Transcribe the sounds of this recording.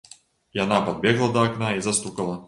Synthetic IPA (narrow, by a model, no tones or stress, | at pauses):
janapɐd̪̚bʲɛɣlˠɐd̪ɐːknaizɐst̪ukɐlˠɐ